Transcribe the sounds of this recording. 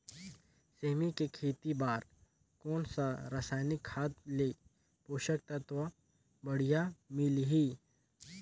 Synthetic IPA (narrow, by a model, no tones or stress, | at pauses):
seːmikekʰeːt̪ibaːɾ | kɔːnsaɾasaːnɪkhaːt̪̚leː | poːʃək̚t̪at̪ʋa | bɐɽ̤ijamɪlɦiː